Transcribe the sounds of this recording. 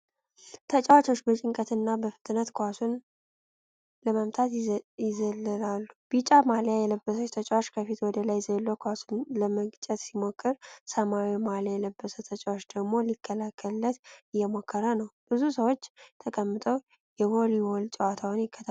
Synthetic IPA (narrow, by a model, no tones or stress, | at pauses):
t̪ʰət͡ʃʼawat͡ʃo̞t͡ʃːbət͡ʃʼɪŋkʼət̪ɨnːabəfɨ̥t̪ʼnət̪kʰasun | ləməmt̪ʰat̪jɪzələlalːub̥it͡ʃʼamaljajɛləbːəsət̪ʰət͡ʃʼawat͡ʃːkʰəfit̪wɔd̪əlajzəlːokʰasunləməɡt͡ʃʼɛt̪simokʰːɨɾsəmawimaljajɛləbːəsət̪ʰət͡ʃʼawot͡ʃːd̪əɡmo̞likʰːəlakʰːəlːət̪ɨjːɛmo̞kʰːəɾənəwb̥ɨzusəwot͡ʃːt̪ʰəkʼəmːɨt̪ʼəw | jɛho̞liwolt͡ʃʼəwat̪ʰawɨnjɪkːət̪ʰa